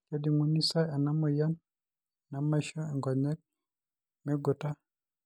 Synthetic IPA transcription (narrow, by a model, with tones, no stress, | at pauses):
ka˦di˨ŋu˦ni˦sa˦ɛ˨na˦mɔ˨ja˦n | na˨ma˦ʃɔ˦ɛ˨ŋɡa˨ɲɛ˦d̚ | mɛ˦ɡɔ˨ta˦